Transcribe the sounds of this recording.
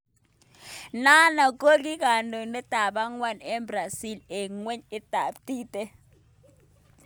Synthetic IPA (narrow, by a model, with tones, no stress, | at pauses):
na˦na˨k̬ʼo˦k̬i˦k̬a˨no˨nɛ˦ta˨ɓa˦ŋwa˦˨nɛ˦bra˨si˦˨le˨ŋwe˦ɲi˦ta˨ɓtiː˦tɛ˦